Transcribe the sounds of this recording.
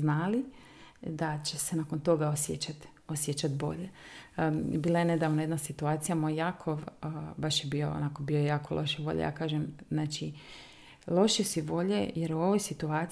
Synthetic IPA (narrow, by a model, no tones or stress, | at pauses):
znaːli | d̪at͡ɕe̞senako̞nt̪o̞ɡaosjet͡ʃat̪ | osjet͡ʃat̪bo̞̰ʎe | biːlˠajene̞d̪aʋnoje̞d̪nasit̪uaːt̪sijamojjakʰoʋbaʃjebioo̰nako̞biojaːko̞̰lʔo̞̰ʃeʋo̞̰ʎḛja̰ːkaːʒemznaːt͡ʃi | lˠo̞ʃisiʋo̞ʎejeɾuo̞ʋojsit̪uaː